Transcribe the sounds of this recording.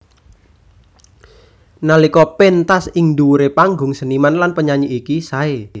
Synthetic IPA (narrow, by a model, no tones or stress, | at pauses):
nalikɔpɛnt̪asiŋd̪uɾepaŋɡʊŋsənimanlanpəɲaɲiʔikisae